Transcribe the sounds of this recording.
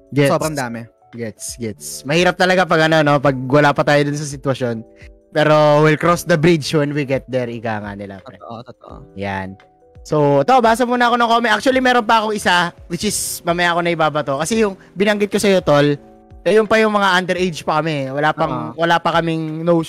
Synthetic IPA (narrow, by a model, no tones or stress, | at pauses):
ɡɛsbɾɐd̪aːmɛ | ɡɛt̪sɡɛt̪smɐhiːɾɐp̚t̪ɐlɐɡap̬ɐɡɐno̞no̞pɐɡ̚wɐlaːpɐt̪aːjod̪ʊns̬ɐs̬ɪt̪wɐʃjo̞n | pɛːɾo̞wɪlkɾosd̪ɐbɾid͡ʒwɛnwiɡɛt̪̚d̪ɛɾʔɪkaːŋa̰nɪla̰ɛ̰ʔtʔja̰n | sowt̪o̞baːs̬ɐmuːnɐɐko̞nɐŋkoːmɛʔak̚t͡ʃʊɐlimɛːɾonp̬ɐɐko̞ŋɪsawɪt͡ʃɪsmɐmɐjaːko̞nɐʔɪbaːbɐt̪o̞kɐsɛjʊŋ | bɪnɐŋɡɪt̪̚ko̞sɐjo̞t̪ol | ɛjʊnpɐjʊŋmɐŋaʔand̪ɛɾʔejd͡ʒpɐkɐmɛwɐlaːpɐŋwɐlaːpɐkɐmɪŋnow